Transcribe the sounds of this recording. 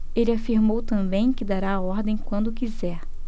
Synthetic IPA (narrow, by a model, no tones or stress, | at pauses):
elɪafiɾmowt̪ɐ̃bẽj̃kɪd̪aɾaːɔɾd̪ẽj̃kwɐ̃nd̪ʊkizɛɾ